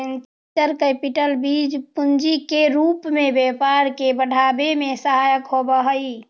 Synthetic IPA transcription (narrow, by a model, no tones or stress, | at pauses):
en | əɾkepiʈəlbid͡ʒpund͡ʒikeɾupmẽbepaɾkebəɽʱabemẽsəɦajəkɦobəɦəi